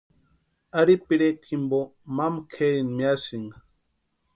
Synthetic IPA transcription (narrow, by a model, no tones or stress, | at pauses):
aɾipiɾekʰimbomamkʰeinmiasiŋ